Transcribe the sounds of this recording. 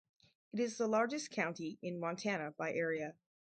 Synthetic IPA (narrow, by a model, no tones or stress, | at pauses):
ɨɾɨzðəlɑɹd͡ʒɨskʰãʊ̃ntiɨ̃nmɑ̃ntʰænəbaɪʔɛɹiɨ